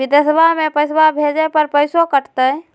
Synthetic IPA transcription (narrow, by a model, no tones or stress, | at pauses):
id̪əsəbʱamepəjsbabʱed͡ʒepəɾpəjsokəʈʰt̪ə